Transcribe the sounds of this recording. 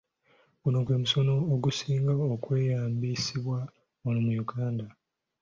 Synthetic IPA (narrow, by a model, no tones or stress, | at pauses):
kunokwe̞ːmuso̞no̞ːɡusiːŋɡaokwe̞ːjaːmbisiβwa | onomujuɡaːnda